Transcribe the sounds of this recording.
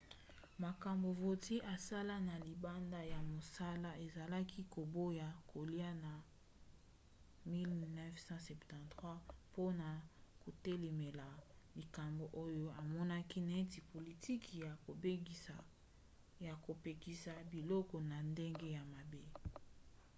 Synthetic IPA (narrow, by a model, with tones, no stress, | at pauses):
ma˨ka˨mbo˨vo˨ti˦ʔa˨sa˦la˦na˨li˨ba˦nda˦ja˨mo˨sa˦la˦e˨za˨la˦kʰi˦ko˨bo˦ja˨ko˨li˦a˦na˨ | mi˦lnɛ˦fsɑ̃˦sɛ˨ptɑ̃˨tχwa˦po˦na˨ko˨te˦le˨me˨la˨li˨ka˨mbo˨ʔo˦jo˦a˨mɔ˦na˦ki˦na˨e˦ti˨po˨li˨tʰi˦kja˨ko˨be˦˨a˨ | ja˨ko˨pe˨ki˨sa˨bi˨lɔ˦kɔ˨na˨nde˦ŋɡe˦ja˨ma˨be˦